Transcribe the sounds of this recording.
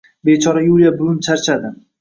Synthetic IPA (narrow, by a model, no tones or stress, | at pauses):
bet͡ʃʰɒɾajulˠijabʊlˠʊnt͡ʃʰaɾt͡ʃʰad̪ɪ